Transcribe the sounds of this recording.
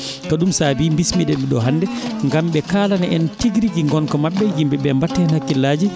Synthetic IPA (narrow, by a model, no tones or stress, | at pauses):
kaɗumsaːbiːmbismidɛviɗɔɦandɛŋɡamɓɛkaːlanaʔɛntiɡɾid͡ʒiŋɡɔnkɔmaɓːɛjimbɛɓɛmbatːɛnhakːilːaːd͡ʒi